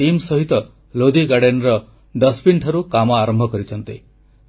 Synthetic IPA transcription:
imsɔɦit̪ɔ | lod̪iɡaɽenɾɔ | ɖʌspʰiɳʈʰɔɾukamɔaɾɔmbʱɔkɔɾit͡ʃʰɔnt̪i

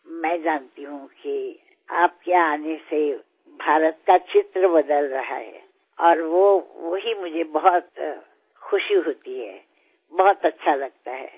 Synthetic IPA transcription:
mɛ̃ːd͡ʒaːnt̪iɦũki | aːp̚keaːnese | bʱaːɾət̪̚kat͡ʃɪt̪ɾəbɐd̪əlɾɐɦa̰ɦɛ̰ː | ɔːɾʋoʋoɦimʊd͡ʒʱebɐɦʊt̪ | xʊʃiɦoːt̪iɦɛ̰ː | bɐɦʊt̪ɐtːʃʰalɐɡ̚t̪aɦɛ̰ː

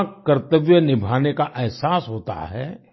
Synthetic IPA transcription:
kɐɾt̪əʋjənɪbʱaːnekaʔɛɦsaːsɦoːt̪a̰ɦɛ̰

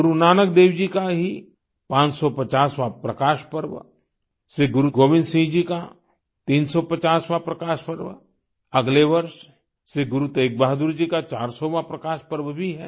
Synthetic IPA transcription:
ɡʊɾunaːnəkd̪eːwd͡ʒikaɦi | pãːt͡ʃsɔpɐt͡ʃaːsʋapɾɐkaːʃpəɾʋ̰ | seɡʊɾuɡoːʋɪ̃nd̪sĩːd͡ʒika | t̪iːnsɔpɐt͡ʃaːsʋapɾɐkaːʃpɐɾʋ | ɐɡleʋɐɾʃ | seɡʊɾut̪eːk̚baːɦd̪ʊɾd͡ʒikat͡ʃaːɾsɔʋapɾɐkaːʃpəɾʋbʱiɦɛː

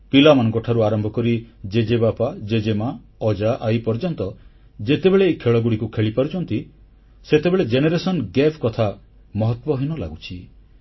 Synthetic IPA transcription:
pilamanɔ̃ŋkɔʈʰaɾuaɾɔmbʱɔkɔɾid͡ʒed͡ʒebapad͡ʒed͡ʒema | ɔd͡ʒaʔajpɔɾd͡ʒɔnt̪ɔ | d͡ʒet̪ebeɭeːkʰeɭɔɡuɽikukʰeɭipaɾut͡ʃʰɔnt̪i | set̪ebeɭed͡ʒeneɾesɔnɡepʰkɔt̪ʰa | mɔɦɔt̪wɔɦinɔla̰ɡut͡ʃʰi

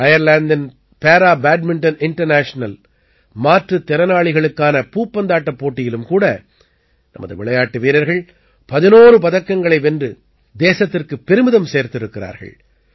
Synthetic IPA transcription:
ɐjɐɾlaːnd̪ɐn | peːɾaːbaːɖ̚mɪɳʈɐnɪɳʈɐɾnaːʂɐnɐl | maːʈrɯt̪ːɛɾɐnaːɭɪɣɐɭɯkːaːnɐpuːpːɐnd̪aːʈːɐpːoːʈːɪjɪlɯmkuːɽɐ | nɐ̰mɐðɯ̰ʋɪɭɐjaːʈːɯʋiːɾɐɾɣɐɭ | pɐðɪnoːrɯpɐðɐkːɐŋɡɐɭɐɪʋɛndrɯ | d̪eːsɐt̪ːɪrkɯpːɛɾɯmɪðɐmseːɾt̪ɪɾɯkːɪɾa̰ːɾɣɐ̰ɭ

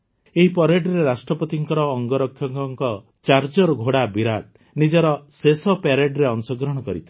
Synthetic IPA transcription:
eɦipɔɾeɖɾeɾasʈɾɔpɔt̪iŋkɔɾɔːŋɡɔɾɔkʰjɔŋkɔŋkɔ | t͡ʃaɾd͡ʒɔɾɔɡʱoɽabiɾaʈ̚ | nid͡ʒɔɾɔsesɔpaɾeɖɾeɔnsɔɡɾɔɽ̃ɔkɔɾḭt̪ʰi̥

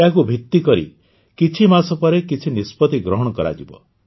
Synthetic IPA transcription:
akubʱit̪ːikɔɾḭ | kit͡ʃʰimasɔpɔɾekit͡ʃʰinispɔt̪iɡɾɔɦɔɽ̃ɔkɔɾa̰d͡ʒibɔ̰

